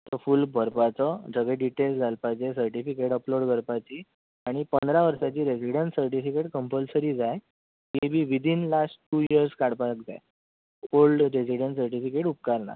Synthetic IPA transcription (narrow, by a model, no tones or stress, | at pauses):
t̪əfulbʱəɾpat͡sɔd͡zəɡeɖiʈelsd͡zʱalpajt͡ɕesəɾʈifikeʈəploɽkəɾpat͡ɕiː | aɽ̃ipənd̪ɾaʋəɾsat͡ɕiːɾesiɽəɳʈsəɾʈifikeʈkəmpəlsəɾiːd͡zaj | ɦebʱiːʋid̪ʱinlasʈʈːuːiəɾskaɽpak̚d͡za̰j | olɖɾesiɖəɳʈsəɾʈifikeʈup̚kaɾna̰